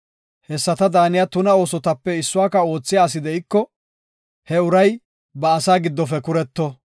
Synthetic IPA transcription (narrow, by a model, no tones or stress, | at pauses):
hɛsːɐt̪ɐd̪aːnɪjɐt̪ʊnɐo̞ːsɔt̪ɐpːɛɪsːʊaːkɐo̞ːt͡sːɪjaːs̬ɪd̪ɛʔɪkːɔ | hɛʊɾɐj | bɐːsaːɡɪd̪ːɔfɛkʊɾɛt̪ːɔ